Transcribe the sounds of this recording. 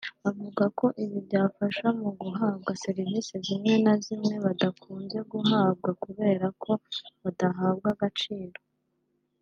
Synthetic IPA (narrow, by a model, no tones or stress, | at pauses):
avuɡako̞ʔiβiβɟaːfaʃamuɡuɦaːbɡase̞ɾivisezimŋe̞nazimŋe̞βadakʰuːnze̞ɡuɦaːb̚ɡakuβe̞ːɾakʰo̞βadaɦaːb̚ɡaɡat͡ʃiːɾo̞